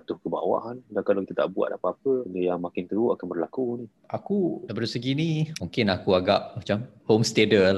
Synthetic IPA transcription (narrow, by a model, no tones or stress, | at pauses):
at̪ʊhkəba̰wa̰ʔandankalakit̪at̪a̰ʔbua̰ʔ̪̚apaːpəəjaŋmakɪnt̪əuʔakanbərlakuni | akubəɾisəɡinĩmoŋkɪnakuaɡaʔmat͡ʃamhomst̪edə